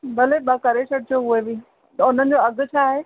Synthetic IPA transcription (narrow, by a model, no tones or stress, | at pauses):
bɐleɓakɐɾesɐɽɪt͡ɕʰoɦʊebiː | ʊn̤ənɪ̆d͡ʑoɐɡʱʊ̆t͡ɕʰaːɦeː